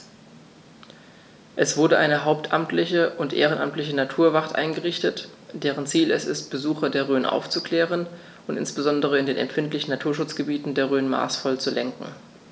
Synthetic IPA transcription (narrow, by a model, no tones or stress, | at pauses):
ʔɛsv̥ʊɐdɾəʔaɪnəɦaʊp̚tʰʔamtʰlɪçəʔʊntʔḛːʁənʔa̰mtlɪçənatʰuːɐvaʁtʔa̰ɪnɡəʁɪçtətd̥eːʁ̞ənt͡siːlɛsɪst̚b̥əzuːxɐdeːɐʁøːnʔa̰ʊft͡sukl̥ɛːʁən | ʔʊntɪ̰nsb̥əzɔndəʁ̞əɪndeːnɛ̰mfɪntlɪçn̩natʰuːɐʃʊt͡sɡ̥əbiːtn̩deːɐʁøːnma̰ːsfɔlt͡sulɛŋkŋ̩